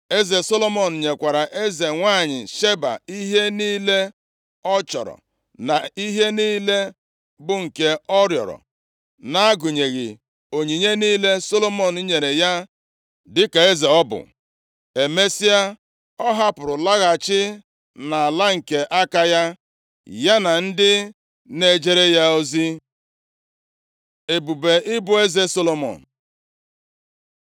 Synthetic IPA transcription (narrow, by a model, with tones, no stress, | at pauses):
e˦ze˨so˦lo˦mɔ˨n̩˨ɲe˨kʷa˨ɾa˨ʔe˦ze˨ŋʷa˦˨ɲɪ̰˨ʃe˦ba̰˨i˦ɦe˦niː˦le˦ | ɔ˦t͡ʃɔ̰˨ɾɔ̰˨ | na˨i˦ɦe˦niː˦le˦ | bʊ˨ŋ̩˨ke˦ɔ˦ɾjɔ̰˨ɾɔ̰˨ | na˦a˦ɡʊ˨ɲe˨ɣɪ̰˨ | o˨ɲi˨ɲe˦niː˦le˦so˦lo˦mɔ˨n̩˨˦ɲe˨ɾe˨ja˦ | dɪ˦ka˨e˦ze˨ɔ˦bʊ̰˨ | e˨me˦si˦a˦ | ɔ˦ɦa˦pʊ˨ɾʊ˨la˦ɣa˨t͡ʃɪ˦ | na˨a˨la˦ŋ̩˨ke˨ʔa˦ka˦ja˦ | ja˦na˨n̩˦dɪ˦ | ne˦d͡ʒe˦ɾe˦ja˦o˦zi˦ | e˨bu˨be˨ɪ˦bʊ˦e˦ze˦so˦lo˦mɔ̰˨n̩˨